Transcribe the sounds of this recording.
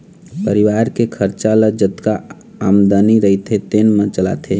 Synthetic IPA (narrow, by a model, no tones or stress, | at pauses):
pəɾiʋaːɾkekʰəɾt͡ʃaləd͡ʒət̪ka | amd̪aniɾəɦit̪ʰet̪enmə̃t͡ʃəla̰t̪ʰe